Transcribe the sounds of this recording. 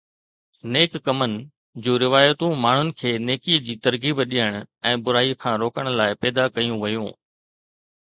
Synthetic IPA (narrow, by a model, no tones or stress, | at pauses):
neːkːɐmənɪ̆ | d͡ʑuːɾɪʋaːjət̪ũmaːɳ̤ʊnɪ̆kʰeːneːkiːd͡ʑiːt̪ɐɾɣiːbɗiəɽ̃ʊɛ̃ːbʊɾaːikʰãːɾoːkəɽ̃ʊ̆laːɪpɛːd̪akɐjũʋɐjũː